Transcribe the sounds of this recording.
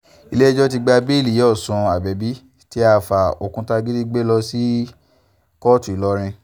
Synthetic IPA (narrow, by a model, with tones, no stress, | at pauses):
i˧le˦ɛ˦d͡ʒɔ˦t̬i˧ɡ͡ba˧be˦˨li˨jɔ˦˨sũ˨˧a˨bɛ˨bi˨˦ | ti˦a˧fa˨o˨kũ˧ta˧ɡi˦di˦ɡ͡be˦lɔ˧si˦ | kɔ˦tu˨i˨lɔ˧˦ɾ̃ĩ˧